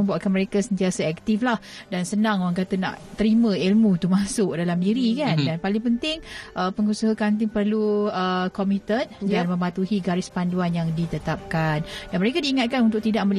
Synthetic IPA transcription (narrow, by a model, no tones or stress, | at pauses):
əmbuaʔ̪̚kanməɾekasənt̪iasaɛk̚t̪iflah | dansənãŋoɾaŋkat̪ana̰ʔt̪əɾimə̃ilmũt̪umasʊʔdalamdiɾikandanpalɪŋpənt̪ɪŋʔəpəŋusəɦakant̪̬ɪŋpərluəkɔmit̪ən̚danmə̃mat̪uhiɡaɾɪspanduanjaŋdit̪ət̪ap̚kandanməɾekadiːŋat̪̚kanunt̪̬ʊk̚t̪idaʔməli